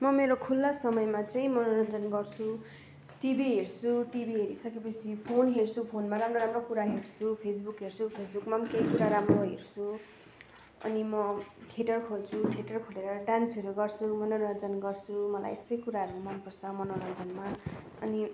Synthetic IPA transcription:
mʌmeɾokʰulːʌsʌmʌjmat͡saĩmʌnonʌnd͡zʌnɡʌrt͡sʰu | ʈibiɦert͡sʰuʈibiɦeɾisʌkepʌsʰipʰonɦert͡sʰupʰonmaɾamroɾamrokuɾaɦert͡sʰupʰes̬bukɦert͡sʰupʰesbukmamkejkuɾaɾamroɦḛrt͡sʰu | ʌ̰nimʌʈʰiʈʌrkʰolt͡sʰuʈʰiʈʌrkʰoleɾʌɖansʌɾuɡʌrt͡sʰumʌnonʌnd͡zʌnɡʌrt͡sʰumʌla̰jḛst̪ʌjkuɾaɦʌɾumʌnpʌrt͡sʰʌmʌnonʌnd͡zʌnma | ʌ̰ni

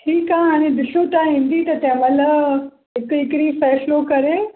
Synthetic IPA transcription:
ʈʰiːkãɦaːɽ̃ẽd̪ɪsut̪aɦĩːn̆d̪it̪ɐt̪ɛ̃ɦməla | ɦɪkɦɪkɪɽĩfɛːslokɐɾe

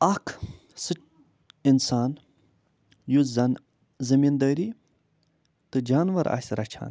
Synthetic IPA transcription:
ɐkʰ | sɨ | insaːn | juzn | zɐmiːnd̪ɐːɾiː | t̪ɨd͡ʒaːnʋɐɾa̰sʲɾɐt͡ʃʰa̰ːn

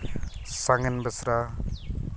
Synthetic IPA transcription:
saŋɡənbəsɾa

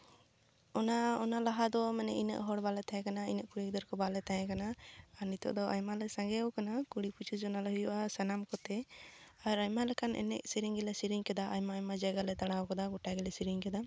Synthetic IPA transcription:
ɔnaɔnalaɦad̪ɔmɛnɛʔinə̰ʔɦɔɽbalɛt̪aɛ̃kanainəʔkuɽiɡd̪əɾkɔbalɛt̪ajɛ̃kanaːɾnit̪ɔ̰ʔd̪ɔʔajmalɛsãŋɡɛukanakuɽiput͡ʃud͡ʒɔnalɛhujuʔasɛnamkɔt̪ɛaɾajmalɛkanʔɛ̰nɛ̰k̚siɾiŋɡɛlɛsiɾiŋkɛd̪aʔajmaːjmad͡ʒaɡalɛt̪aɽawkɔd̪aɡuʈaɡɛlɛsiɾiŋkɛd̪a

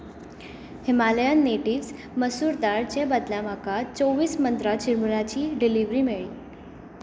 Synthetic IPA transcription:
himaləjanːeʈiːʋs | məsuːɾt̪aɭt͡ɕebad̪lamakat͡soʋiːsmənt̪ɾat͡ɕiɾmuɭat͡ɕiːɖiliʋɾiːmeɭḭː

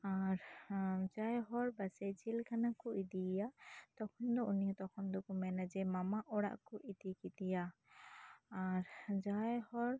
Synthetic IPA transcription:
aɾd͡ʒajɦɔɾbasɛd͡ʒilkʰanakɔʔid̪ijat̪ɔkʰɔnd̪ɔunijat̪ɔkʰɔnd̪ɔkɔmɛnad͡ʒɛmamaʔɔɽa̰ʔkɔʔid̪ikit̪ija | ɾd͡ʒajhɔɾ

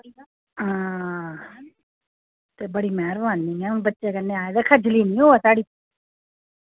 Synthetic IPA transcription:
a | t̪ebəɽiːmɛːɾʋaːnɪ̃ŋɛ̃bətːʃekənːeaːjed̪ekʰɐd͡ʒliːnĩːoːasaːɽiː

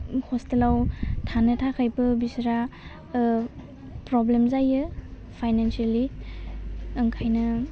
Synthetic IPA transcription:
hɔstelawtʰanɯtʰakʰajbɯbisɾa | pɾɔblemzajɯ | pʰajnansiali | ŋkʰajnɯ

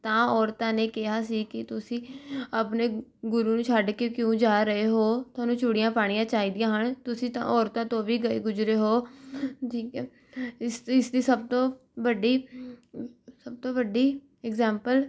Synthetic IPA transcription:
t̪ãːɔːɾt̪ãːneːkɪɦaːsiːkɪt̪ʊsĩːəpneːɡʊɾuːnũːt͡ʃʰaɖkekjõːd͡ʒaːɾəeːɦoːt̪ʰaːnũːt͡ʃʊɽɪjãːpaːɽ̃ijãːt͡ʃaːiːd̪ɪjãːɦəɳt̪ʊsĩːt̪ã̰ːʔɔːɾt̪ãːt̪õːbiːɡəḛːɡʊd͡ʒɾeːɦoːʈʰiːkɛː | ɪsɪsd̪iːsəb̚t̪õː | bəɖiː | səb̚t̪õːʋəɖiː | ɛɡzɛ̃ːmpəl

